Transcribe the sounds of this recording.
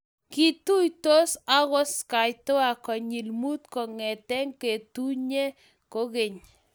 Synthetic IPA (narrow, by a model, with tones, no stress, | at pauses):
ki˦tu˦jto˦sa˦ɣɔ˦ska˨jto˦a˨kɔ˨ɲi˨lmu˦tkɔ˨ŋɛ˨tɛ˦ŋke˨tu˦ɲe˦ | ko˦ke˨ɲ